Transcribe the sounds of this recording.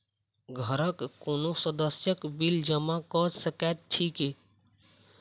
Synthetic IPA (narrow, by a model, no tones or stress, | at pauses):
ɡʱəɾəkːonosəd̪əsjəkbild͡ʒəmakɔsəkat̪̚t͡ʃʰike